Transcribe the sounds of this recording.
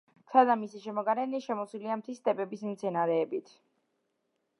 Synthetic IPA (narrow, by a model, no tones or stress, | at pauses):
sʰad̪amisiʃɛmɔɡaɾɛniʃɛmɔswiliamt̪ʰist̪ʼɛbɛbismt̪sʰɛnaɾɛːbit̪ʰ